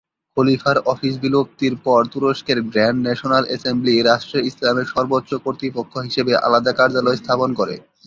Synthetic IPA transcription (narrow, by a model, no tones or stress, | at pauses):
kʰolifaɾɔfiʃ̬bilob̚t̪iɾpɔɾt̪uɾoʃkeɾɡɾɛɳɖnɛʃonalʔɛsembliɾaʃʈɾeislameɾʃɔɾbot̪ːʃokoɾt̪ɾipokʰːoɦiʃebeʔa̰lad̪akaɾd͡ʑalɔest̪ʰaponkoɾḛ